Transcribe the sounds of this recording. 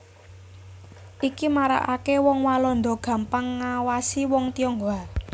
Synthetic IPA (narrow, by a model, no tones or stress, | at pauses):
ʔikimaɾa̰ʔakewɔŋwalɔnd̪ɔɡ̥ä̤mpaŋːawasiwɔŋt̪iɔŋɡa